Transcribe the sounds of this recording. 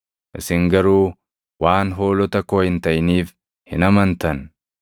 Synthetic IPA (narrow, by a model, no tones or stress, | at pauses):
ʔɪsɪŋɡɐɾuː | waːnɦo̞ːlɔt̪ɐkoːhɪnt̪ɐʔniːf | hɪnɐmɐnt̪ɐn